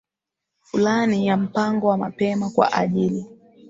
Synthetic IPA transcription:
fulanijam̩paŋɡɔwamapɛmakwa̰ʔaʄili

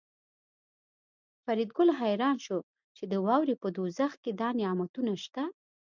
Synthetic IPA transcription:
faɾid̪̚ɡʊlɦajɾɑnʃo | t͡ʃed̪əwɑwɾepəd̪ozaxked̪ɑnɪɑmat̪unaʃt̪a

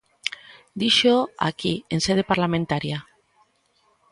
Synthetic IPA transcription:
d̪iʃoa̰kienseð̞epaɾlamẽnt̪aɾja

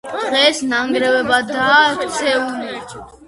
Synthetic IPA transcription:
d̪̥ʁɛsnaŋɡɾɛvɛbad̪akt͡sʰɛunɛ

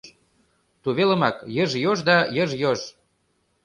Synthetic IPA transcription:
t̪uβelə̆mɑkjəʒjoʒd̪ɑjəʒjoʒ

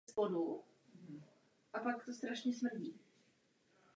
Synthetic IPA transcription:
spodu | ʔapakt̪ost̪ɾaʃɲɛsmr̩ɟiː

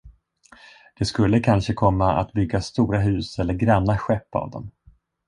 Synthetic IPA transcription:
d̪̥ɛskɵlːəkʰanʂəkʰɔmːaa̰t̪bʏɡːast̪uːɾaɦʉ̟ːsɛlːəɾɡɾɛnːaɧɛpːa̰vd̪ɔ̰m

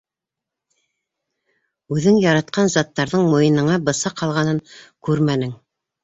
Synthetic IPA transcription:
ʉðɘŋjɑɾɑt̪̚qɑnzɑt̪ːɑɾðɤɴmojɤ̆nɤ̆ɴɑbɤ̆sɑqʰɑlˠʁɑnɤŋkʉɾmænɘŋ

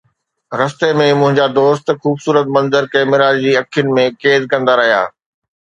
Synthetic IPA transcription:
ɾɐst̪emẽmʊ̃ɦɪ̃ɲd͡ʑad̪oːst̪xuːbsuːɾət̪̚mɐ̃nzəɾkɛːmɪɾaːɾd͡ʑiːɐkʰjʊnɪ̆mẽkeːzkɐ̃nd̪aɾɐɦija̰ː

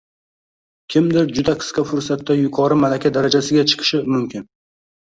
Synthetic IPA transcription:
kʲʰɪmd̪ɪɾd͡ʒʊd̪aqʰɨ̥sqɑfʊɾsat̪ːajʊqʰɒɾɪmalakʲʰad̪aɾad͡ʒasɪɡʲat͡ʃʰɨ̥qʰɨ̥ʃɪmʊmkʲɪn

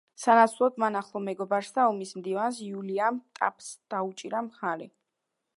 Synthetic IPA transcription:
sanat̪sʰlˠɔd̪manaχlˠɔmɛɡɔbaɾsd̪aɔmismd̪ivans̬iuliamt̪ʼa̰pʰʼsd̪̥aut͡ʃʼiɾamχaɾɛ

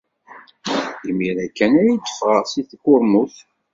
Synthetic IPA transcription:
imːiɾækːænæjid̪ə̥fʁəʁsiθkːʊɾmuθ

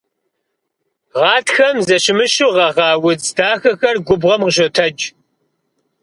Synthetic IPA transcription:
ʁɑːtxɐmzɐɕɪmɨɕuʁɐʁɑːwʊzdʰaːxɐxɐrɡʷʊbʁɐmʁəʒotʰɐd͡ʒ

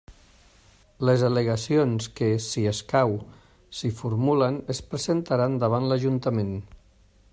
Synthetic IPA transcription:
ləzələɣəsionskəsiəskaw | sifuɾmulənəspɾəzent̪əɾand̪əβ̞anləʒunt̪əmen

